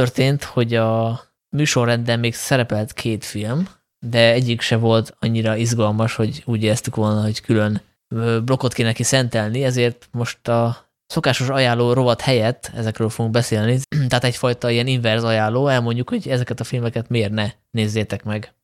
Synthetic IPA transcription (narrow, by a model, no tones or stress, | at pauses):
t̪ørt̪eːnt̪ho̞ɟɒ | myːʃo̞rːɛnd̪ɛmmeːɡsɛɾɛpɛlt̪kʰeːt̪film | d̪ɛɛɟːikʃɛvo̞lt̪ɒɲːiɾɒizɡɒlmɒʃho̞ɟuːɟeːlɛst̪ykʋo̞lnɒɦo̞ckylø̞n | øblo̞ko̞t̪keːnɛkisɛnt̪ɛlniɛzeːrt̪mo̞ʃt̪ɒ | so̞kaːʃo̞ʃɒjaːlːoːɾo̞vɒt̪hɛjɛt̪ːɛ̰zɛkrøːlfo̞ɡuŋɡ̚bɛseːlnit̪ɛɦaːt̪ɛcfɒjt̪ɒijɛniɱvɛrzɒjaːlːoːɛlmo̞ɲɟːukho̞ɟɛzɛkɛt̪ɒfilmɛkɛt̪meːrnɛ | neːzːeːt̪ɛkmɛɡ